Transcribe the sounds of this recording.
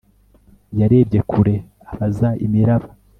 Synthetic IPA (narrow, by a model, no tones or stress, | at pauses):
jaɾe̞ːbɟe̞kuɾe̞ | aβazaḭmiɾaβa